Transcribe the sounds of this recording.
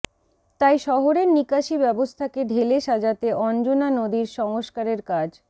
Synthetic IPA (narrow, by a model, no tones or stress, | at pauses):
t̪ajʃɔɦoɾeɾnikaʃibɛbost̪ʰakeɖʱeleʃad͡ʑat̪eʔɔnd͡ʑonanod̪iɾʃɔŋoʃkaɾeɾkad͡ʑ